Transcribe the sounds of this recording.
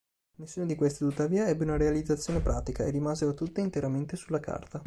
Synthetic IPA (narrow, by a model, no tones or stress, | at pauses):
nesːuːnod̪ikwest̪it̪ut̪ːaviːaɛbːeunaɾealid̪zat̪sjoːnepɾʔa̰ːt̪ikaerːimaːzeɾot̪ut̪ːeint̪eɾament̪esulːaka̰rt̪a